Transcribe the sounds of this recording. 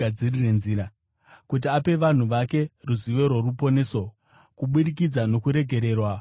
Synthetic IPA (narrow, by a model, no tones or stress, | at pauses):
ad͡zirirenziːɾa | kut̬iape̞ʋan̤uʋake̞ruziʋe̞ɾworupo̞ne̞so̞ | kuɓuɗik̬id͡zano̞kuɾe̞ɡʱe̞ɾe̞ːrwa